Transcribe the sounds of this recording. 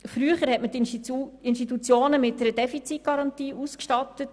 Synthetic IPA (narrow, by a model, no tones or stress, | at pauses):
fɾyəχəɾhɛtmətɪnʃtitut͡sjoːnəmɪt̚dəɾəd̥ɛfit͡sit̚ɡ̥ɑɾɑntiːʔuskʃtɑtət